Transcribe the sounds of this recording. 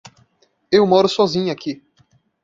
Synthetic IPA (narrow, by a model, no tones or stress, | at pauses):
ewmɔɾʊsɔzĩɲʊaki